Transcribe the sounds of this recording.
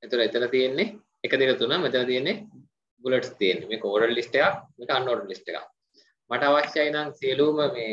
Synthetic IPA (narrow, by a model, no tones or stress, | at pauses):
et̪uləet̪əlɐt̪ijenːe | ekəd̪ekət̪unəmet̪əlɐt̪ijenːe | buleʈst̪ijenːemeːkəoːɾəllisʈekakmeːkəanːoːɾəlisʈeka̰ | maʈəaʋasjajnaŋsieluːməmeː